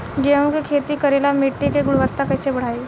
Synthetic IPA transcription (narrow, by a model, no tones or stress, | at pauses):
ɡẽkikʰet̪iːkəɾelamiʈːikeɡuɽʋət̪ːakəjsebəɽ̤ai